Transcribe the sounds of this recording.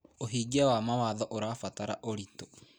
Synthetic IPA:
oɦiːɡawamawaðɔʔoɾafataɾaʔoɾito̥

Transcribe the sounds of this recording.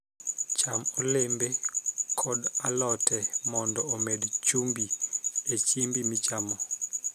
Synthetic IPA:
t͡ʃamɔlembekʰɔdalɔtɛmɔndɔːmɛdt͡ʃumbiet͡ʃimbimit͡ʃamɔ

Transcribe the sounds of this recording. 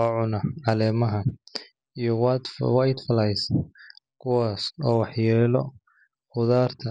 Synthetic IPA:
ɔʕʊnɐʕɑlɛːmɐɦɐ | ijɔw̪wɑjd̪fɐlɐjsɐkʰʊwaːsɔːwɑħjɛːlɔ̰ | χʊðaːrt̪ʰɐ

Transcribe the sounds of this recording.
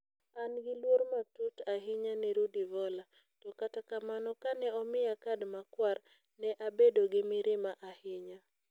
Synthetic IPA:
anɡɪlwoɾmatutaɦɪɲanɛɾudivɔla | tɔkatakamanɔkanɛɔmɪjakadmakwar | nɛʔabedoɡɪmɪɾɪmaʔahɪɲa

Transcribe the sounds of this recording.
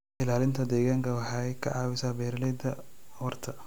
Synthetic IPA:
ɪlaːlɪnt̪ʰɐd̪ɛːɣaːŋkʰɐwɑħɑːɛjkʰɐ̰ʕɑːwɪsaːbɛːɾɐlɛd̪ɐhɔrt̪ʰɐ

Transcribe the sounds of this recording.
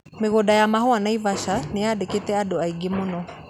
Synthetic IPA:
meɣodajamaɦoanaivaʃanejadeketɛadoaiɡemonɔ

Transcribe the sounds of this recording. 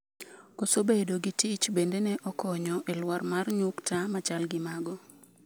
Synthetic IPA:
kɔsobedoɡitit͡ʃbendenɛʔɔkɔɲɔʔelwarmarɲuktamat͡ʃalɡɪmaɡɔ

